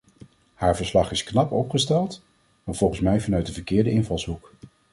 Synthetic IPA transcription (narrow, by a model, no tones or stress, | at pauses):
haːɹvəɹslɑχɪsknɑpɔpχəstɛlˠt | maːɹv̥ɔlˠχənsmɛjvɑnœɥt̚dəvəɹkɪːɹdəɪnvɑlˠsɦuk